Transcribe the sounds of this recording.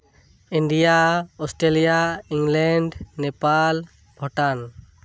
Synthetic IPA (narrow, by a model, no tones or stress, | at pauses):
iɳɖijaɔsʈɾelijaiŋɡlɛɳɖnepal | bʱɔʈan